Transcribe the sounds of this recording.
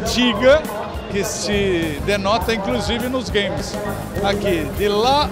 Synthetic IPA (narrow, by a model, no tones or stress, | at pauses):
t͡ʃiɡɐ | kɪsɪd̪enɔt̪ɐĩŋkluzivɪnʊzɡẽj̃mɪs | akid̪ɪla